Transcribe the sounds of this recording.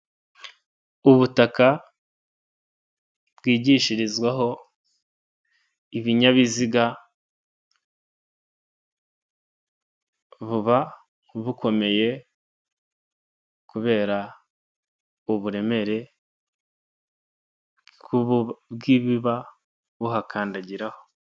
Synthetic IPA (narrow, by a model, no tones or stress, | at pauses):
uβutaka | bɡiːɟiʃiɾizɡwaɦo̞ | iβiɲaβiziɡa | βuβa | βukʰo̞me̞je̞ | kuβe̞ːɾa | uβuɾe̞me̞ɾe̞ | kuβubɡiβiβa | βuɦakʰaːndaɟiɾaho̞̥